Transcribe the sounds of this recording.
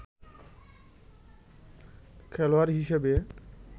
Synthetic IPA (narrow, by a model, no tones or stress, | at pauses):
kʰɛlowaɹɦiʃɛbe